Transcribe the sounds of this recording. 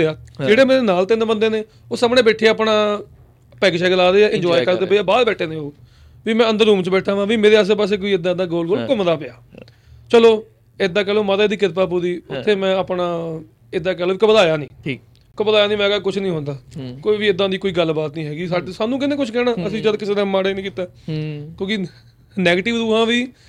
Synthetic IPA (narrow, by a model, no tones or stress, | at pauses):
eaːd͡ʒeːɽeːmeːɾeːnaːlt̪enẽːbənd̪eːneː | oːsamɽeːbɛːʈʰeːaːpɳãː | pɛːkʃaːɡəlaːɾeːaːʔɪ̃ɲd͡ʒɔːikəɾd̪eːpəiaːbaːd̪bɛːʈʰeːnẽːoː | ʋiːmɛ̃ːə̃nd̪əɾːuːmt͡ʃbɛːʈʰaːʋãːʋiːmeːɾeːaːs̬eːp̬aːs̬eːk̬oːiːɪd̪ãːd̪aːɡoːlɡoːlkəmd̪aːpeaː | t͡ʃəloː | ɪd̪aːk̬ɛːlõːmət̪aːd̪iːkɪɾpaːp̬uːɾiːʊt̪ʰːeːmɛ̃ːaːpnaː | ɪd̪aːkɛːlõːiːkəpəd̪aːjaːnĩː | kəpd̪aːjaːnĩːmɛ̃ːɡaːkʊt͡ʃʰnĩːɦõːnd̪aːkoːiːʋiːɪd̪ãːd̪iːkoːiːɡəlbaːt̪nĩːɦɛːɡiːsaːsaːnũːkɪneːkʊt͡ʃʰkɛːɽ̃aːəsĩːd͡ʒəd̪kɪseːnãːmaːɽeːnĩːkiːt̪aːkjõːkɪ | nɛːɡeːʈɪʋd̪uːɦãːʋiː